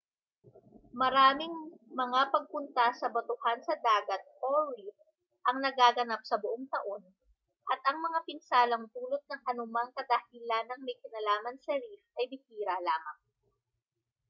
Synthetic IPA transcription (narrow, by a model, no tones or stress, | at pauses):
mɐɾaːmɪŋmɐŋapɐɡ̚pʊnt̪asɐbot̪ʊhansɐd̪aːɡɐt̪̚ʔoɹi | ʔɐŋnɐɡaːɡɐnap̚sɐbʊʔoŋt̪ɐʔo̞n | ʔɐt̪̚ʔɐŋmɐŋapɪnsaːlɐŋbuːlot̪̚nɐŋʔɐnʊmɐŋkɐd̪ɐhilanɐŋmɐjkɪnɐlaːmɐnsɛɾifʔɐjbɪhiːɾalaːmɐŋ